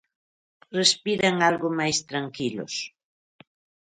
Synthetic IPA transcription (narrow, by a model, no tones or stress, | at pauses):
respiɾaŋalɣʊmajst̪ɾaŋkilʊ̰s